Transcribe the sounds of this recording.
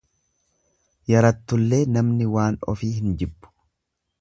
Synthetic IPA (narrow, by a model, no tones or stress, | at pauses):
jɐɾɐt̪ːʊlːe̞ːnɐmnɪwaːnɔ̰fiːhɪnd͡ʒɪbːʊ̥